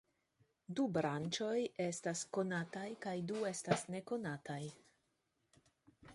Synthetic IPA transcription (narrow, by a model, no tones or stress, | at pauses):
dubɾant͡ʃo̞je̞stasko̞natajkajdue̞stasne̞ko̞nataj